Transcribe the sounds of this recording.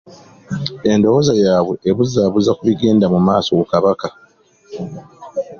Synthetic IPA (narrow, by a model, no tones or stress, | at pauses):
e̞ndo̞wo̞zajaːβwe̞ːβuzaːβuzakuβiɡe̞ːndamumaːso̞ɡukaβaka